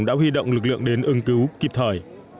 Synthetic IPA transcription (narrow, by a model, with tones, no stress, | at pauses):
ŋɗa̰ː˧˥ɦwi˧ɗo̰˧˨wŋ͡mlɨ˨˩k̚lɨ̰˧˨əŋɗe˨˦nʔɨ˨˧ŋkɨ˨˦wki˨˩p̚t̪ʰəː˨˩j